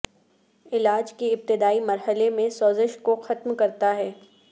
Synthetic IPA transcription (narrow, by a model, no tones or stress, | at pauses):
ɪlaːd͡ʒkeɪb̚t̪ɪd̪aːimɐɾɦəlemẽsɔːzɪʃkoxɐt̪mkɐɾt̪aɦɛː